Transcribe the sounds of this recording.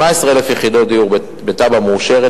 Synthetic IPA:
aesʁeelefjeχid̪o̞td̪ijuʁ | bet̪abamuːʃeʁe

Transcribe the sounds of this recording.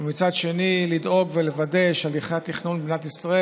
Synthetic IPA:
mit͡sad̪ʃe̞nilid̪o̞ɡvelevade̞ʃaliχeat̪iχnunbbnat̪isʁae

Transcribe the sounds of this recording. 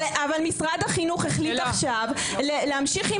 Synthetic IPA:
avalmisʁad̪haχinuχeχlit̪aχʃav | leleamʃiχi

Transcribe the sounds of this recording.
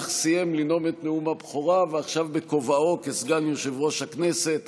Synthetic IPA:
χsijemlino̞met̪neumabχoʁaveaχʃavbeko̞vao̞kesɡanjoʃevʁo̞ʃhaknese̞t̪

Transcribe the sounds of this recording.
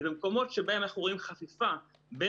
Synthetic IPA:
zemko̞mo̞tʃebae̞maχuʁimχafifa | be

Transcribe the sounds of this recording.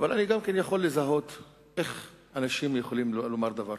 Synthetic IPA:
avalaniɡamkenjaχo̞lːezaɦo̞t̪ | ʔeχ | anaʃimjeχolimlomaʁd̪avaʁ

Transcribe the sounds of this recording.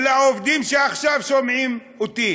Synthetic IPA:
laovd̪imʃeaχʃavʃomʕim | ot̪i

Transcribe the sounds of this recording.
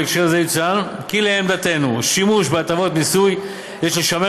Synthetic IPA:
ekʃeʁzejit͡sankileemd̪at̪e̞nuʃimuʃbeat̪avo̞t̪nisuj | jeʃleʃame

